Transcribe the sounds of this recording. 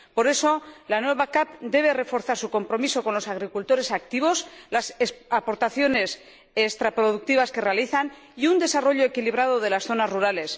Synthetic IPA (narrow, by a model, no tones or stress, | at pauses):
po̞ɾe̞so̞lanwe̞βakapd̪e̞β̞e̞re̞fo̞ɾθaɾsuko̞mpɾo̞miso̞ko̞nlo̞saɣ̞ɾikult̪o̞ɾe̞sakt̪iβo̞slaseapo̞ɾt̪aθjo̞ne̞s | ekst̪ɾapɾo̞ð̞uk̚t̪iβ̞aske̞re̞aliθan | iund̪e̞saro̞ʎo̞ekiliβ̞ɾað̞o̞ðe̞lasθo̞nazruɾale̞s